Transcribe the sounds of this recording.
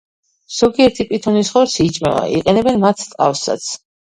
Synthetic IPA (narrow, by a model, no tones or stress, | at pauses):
z̥ɔɡiɛɾt̪ʰipʼit̪ʰɔnisχɔɾt̪sʰit͡ʃʼmɛva̰ʔḭqʼɛnɛbɛnmat̪ʰt̪ʼqʼafsa̰t̪sʰ